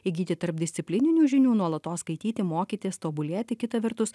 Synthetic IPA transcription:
ɪɡʲiːt̪ʲɪt̪ɐɾp̚d̪ʲɪsʲsʲɪpʲlʲɪnʲɪnʲuːʒʲɪnʲuːnuɔlˠɐt̪oːskɐɪt̪ʲiːt̪ʲɪmoːkʲiːt̪ʲiːst̪oːbʊlʲeɛt̪ʲɪkʲɪt̪ɐʋʲɛɾt̪ʊs

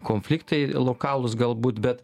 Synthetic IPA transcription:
koːnʲfʲlʲɪkt̪ɐɪlˠoːkɑːlˠʊsɡɐlˠbuːt̪bʲɛt̪

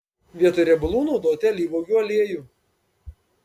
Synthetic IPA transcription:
ʋʲiɛt̪oːɾʲɛbʊlˠuːnɔʊd̪oːt̪ʲɛlʲiːʋɔːɡʲuːɐlʲeɛjuː

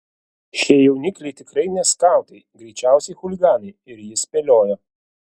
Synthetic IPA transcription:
ʃʲiɛjɛʊnʲɪkʲlʲɛɪt̪ʲɪkɾɐɪnʲɛskɑˑʊt̪ɐɪɡɾʲɛɪt͡ʃʲæˑʊsʲɛjxʊlʲɪɡɑːnɐɪɪɾjɪsʲpʲɛlʲoːjɛ

